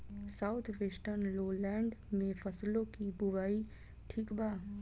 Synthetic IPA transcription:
saut̪ʰʋeːsʈəɾnloːlɛ̃ːɳɖmẽfʰəslõkibʊʋaːi | ʈʰiːkbaː

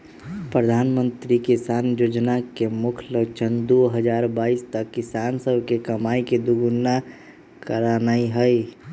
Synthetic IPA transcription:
pɾəd̪ʱaːnmə̃nt̪ɾikisaːnjoːd͡ʒnakemʊkʰləɡt͡ʃʰənd̪oɦəd͡ʒaːɾbaːist̪əkːɪsaːnsəbʱkekəmaːiked̪uɡʊnːa | kəɾanaiɦəi

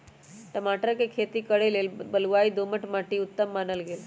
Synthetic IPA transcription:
ʈəmaʈəɾəkekʰet̪iːkəɽelelbəlʋaiːd̪oməʈmaʈiːut̪ːəmːanəlɡel

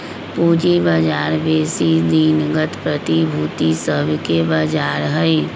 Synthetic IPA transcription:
puːd͡ʒibaːd͡ʒaːɾbeːsid̪iːnɡət̪pɾət̪ibʱuːt̪isəbʱkebaːd͡ʒaːɾɦəi

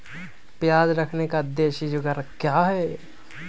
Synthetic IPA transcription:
pjaːd͡ʒɾɐkʰnekad̪ːeːʃid͡ʒʊɡaɾkjaːɦɛ

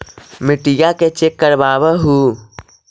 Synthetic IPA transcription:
mɪʈijaket͡ʃekːəɾbaːbəɦuː

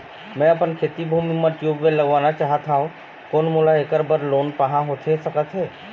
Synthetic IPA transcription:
mɛ̃ɐpənkʰeːt̪ibʱumimə̃ʈ̪juːbmẽləɡʋaːnat͡ʃaːɦət̪ɦaːɦũ | koːnmulaeːkəɾbəɾloːnpəɦãɦot̪ʰesəkət̪ɦɛː

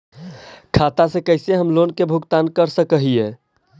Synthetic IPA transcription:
kʰat̪asekəɦɪseɦəmlonkebʱuɡt̪ankəɾsəkəɦie

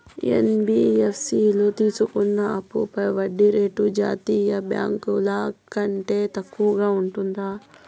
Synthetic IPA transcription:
ḛnbiefsilot̪iːsukunːɐɐpːṵpɐjʋɐɖːiɾeːʈud͡ʒa̰ːt̪ijɐbja̰ːŋkulakɐɳʈeːt̪ɐkːuːɡaːuɳʈund̪aː

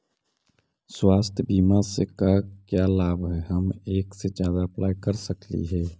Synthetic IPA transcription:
swaːst̪ʰjəbiːmasekakjalaːbɦɛɦəmeːksed͡ʒjaːd̪aəplaːjkəɾsəklḭɦɛː

